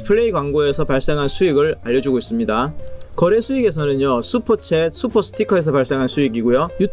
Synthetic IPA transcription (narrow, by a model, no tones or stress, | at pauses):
pʰɯɭːeiɡwaŋɡoe̞sʰʌpaɭs͈e̞ŋɦansʰuiɡɯɭaʎːʌd͡ʑiɡois͈ɯmɲidakʌɾe̞sʰuiɡe̞s̬ʰʌnɯnjosʰupʰʌt͡ɕʰes͈ʰupʰʌsʰɯ̥tʰikʰʌe̞s̬ʰʌpaɭs͈e̞ŋɦansʰuiɡiɡojojutʰ